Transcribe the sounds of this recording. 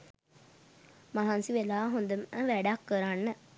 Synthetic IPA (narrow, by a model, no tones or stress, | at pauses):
maɦansiʋelaːɦond̪əməʋæɖakːəɾanːə